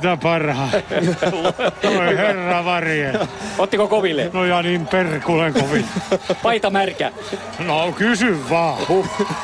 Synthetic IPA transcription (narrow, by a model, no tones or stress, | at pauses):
t̪æpɑrhɑi | oiherːɑʋɑrjelot̪ːikokoʋilːḛnojɑnimperkuleŋkoʋilːepɑit̪ɑmærkæ̰ | nokysyʋːɑːu